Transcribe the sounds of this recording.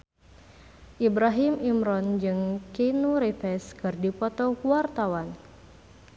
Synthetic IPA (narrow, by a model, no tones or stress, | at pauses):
ʔibɾaɦimimɾɔnd͡ʒɨŋkinuɾefɛskɨrdipɔt̪ɔkuwart̪awan